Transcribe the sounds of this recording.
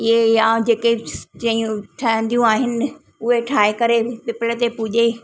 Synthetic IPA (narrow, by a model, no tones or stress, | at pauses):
ɪɦejãd͡ʑeːked͡ʑɐ̃iũʈʰəə̃n̆d̪ijũaːɦɪnɪ̆ | ʊɦeʈʰaːekɐɾepɪpɪlət̪epʊʄe